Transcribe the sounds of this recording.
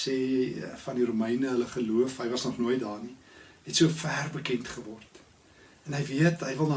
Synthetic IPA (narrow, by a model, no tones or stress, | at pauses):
seːfɐndiɾuməjnəɦələχəluəfɦəjvɐsnɔχnuəjtdɑːni | ɦɛtsuəfæːrbəkɛntχəvɔrt | ɛnɦəjviətɦəjvəlˠnɑ